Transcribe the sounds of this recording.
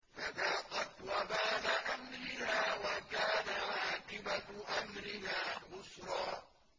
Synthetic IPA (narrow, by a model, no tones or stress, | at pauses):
fad̪aːqɑt̪wabaːnaʔamɾɪhaːwakaːnaʕaːqɪbaʔamɾɪhaːmʊsɾˤɑː